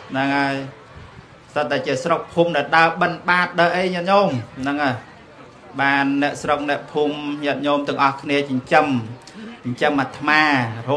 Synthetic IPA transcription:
nɨŋhaəj | sət̪̚ːaɛt͡ɕiəsrok̚pʰuːmɗaɛlɗaəɓənɓaːt̪̚ɗəːʔəjɲɛət̪̚ɲoːmnɨŋa | ɓaːnːɛ̆əʔsrok̚nɛ̆əʔpʰuːmɲɛ̆ət̪̚ɲoːmt̪ɨ̆əŋʔɑhkʰniət͡ɕɲt͡ɕəm | ɲt͡ɕəmʔat̪ʰːmaːro

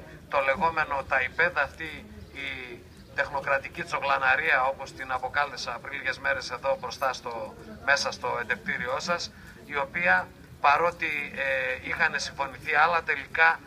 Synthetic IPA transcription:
t̪o̞le̞ɣo̞me̞no̞t̪ɐipe̞ðɐːft̪iː | t̪e̞xno̞kɾɐt̪icit͡so̞ɣlɐnɐɾiɐo̞po̞st̪inɐpo̞kɐlesɐːpɾiliʝe̞zme̞ɾe̞se̞ðo̞bɾo̞st̪ɐst̪o̞me̞sɐst̪o̞e̞nd̪e̞k̚t̪iɾio̞sɐs | io̞piɐ | pɐɾo̞t̪ieixɐne̞siɱfo̞niθiɐlɐt̪e̞likɐ

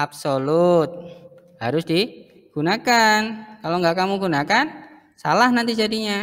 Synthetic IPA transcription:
absolut̪̚ | haɾʊsdi | ɡ̥unakankaloŋɡaʔkamuɡunakan | sa̰lahnant̪id͡ʒadiɲa

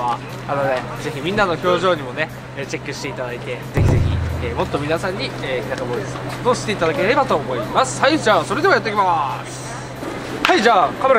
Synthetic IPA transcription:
a | anod̪e̞ | ze̞çimʲĩnːano̞ço̞ːʑo̞ːɲ̟imo̞ne̞ː | t͡ɕe̞kːɯ̟ɕi̥t̪e̞it̪ad̪ait̪e̞ze̞çʲize̞çʲḭeːmo̞t̪ːomʲinasãɲ̟ːieːkʲinakamoid̪esnoːɕi̥t̪e̞it̪ad̪ake̞ɾe̞bat̪o̞ːmo̞imasɨ̥haid͡ʑaːso̞ɾe̞d̪emojat̪ːeik̬ʲimasɨ̥ | haid͡ʑaːkame̞ɾ

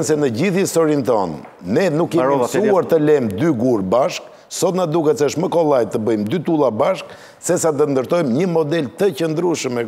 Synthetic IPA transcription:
nsɛnəɟiθist̪ɔɾint̪ɔnː | ɛnukːɛsuaɾt̪əlɛmd̪yɡuɾbaʃk | sɔt̪nad̪ukɛsɛʃməkɔlˠajt̪əbəjmd̪yt̪ulˠabaʃk | sɛs̬ad̪ənd̪əɾt̪ɔjmɲəmɔd̪ɛlt̪ət͡ɕənd̪ɾuʃmɛ

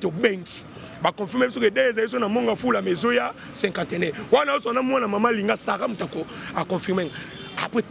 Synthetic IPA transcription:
tobeŋɡi̥ | bakɔ̃fimbsokedeezalis̬onamoŋɡafulamezoja | sɛ̃ŋkãtɛnɛwanaosanamwanamamaliŋɡasaʁamutako | akɔ̃fimɛŋ | a̰pe

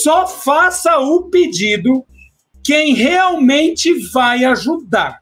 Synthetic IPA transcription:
sɔfasɐʊped͡ʒid̪ʊ | kẽj̃heawmẽnt͡ʃɪvajaʒud̪aɾ

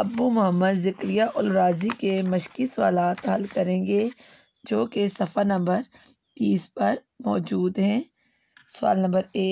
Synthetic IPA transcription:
ɐbumʊɦəmːəd̪zɪkɾijaʔʊlɾaːzikemɐʃkisʊwa̰ːlaːt̪ɦɐlkɐɾẽːŋɡe | d͡ʒoːkesɐfəɾnɐ̃mbəɾ | t̪iːspɐɾ | mɔːd͡ʒuːd̪ɦɛ̃ː | sʊwa̰ːlnɐ̃mbəɾeː

